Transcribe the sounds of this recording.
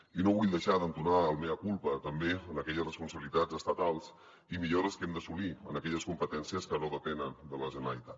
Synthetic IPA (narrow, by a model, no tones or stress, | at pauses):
inoβuʎd̪əʃaðənt̪unaəlˠmeβəkulˠpət̪əmbeənəkɛʎəsrəspunsəβilit̪ad͡zəst̪ət̪alˠs | imiʎoɾəskɛmd̪əsuliə̰nəkɛʎəskumpət̪ɛnsiəskənoðəpɛnənd̪ələʒənəɾəlit̪at̪